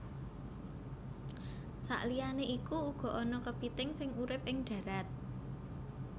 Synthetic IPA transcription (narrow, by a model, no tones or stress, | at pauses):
sa̰ʔlijaneʔikuuɡ̥ɔ̤ʔɔnɔkəb̥it̪ɪŋsɪŋuɾɪpʔɪŋɖ̪̥ä̤ɾat̪̚